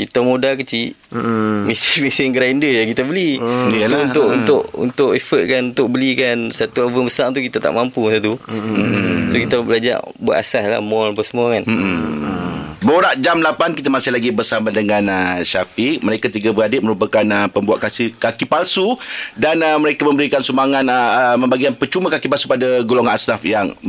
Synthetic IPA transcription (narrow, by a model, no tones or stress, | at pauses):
kit̪amodakət͡ʃi | mesimisɪŋɡəɾaindəjakit̪abəli | unt̪ʊʔunt̪ʊʔṵnt̪ʊʔefət̪̚kanunt̪ʊk̚bəlikansat̪uavəbəsaʔt̪̬ukit̪at̪a̰ʔmãmpusat̪u | sokit̪abəlad͡ʒa̰ʔ | bua̰ʔ̪a̰sasla̰mɔlap̬asəmuakanm̩ | boɾaʔd͡ʒamlapankit̪amasɪhlaɡibərsamadəŋãnəʃafiməɾekat̪iɡabəɾadɪp̚məɾupakanəpəmbua̰ʔkasikakipalsudanəməɾekamə̃mbəɾikansumaŋãnəmə̃mbaɡikanpərt͡ʃumãkakipalsu̥padaɡoloŋanasnafjaŋ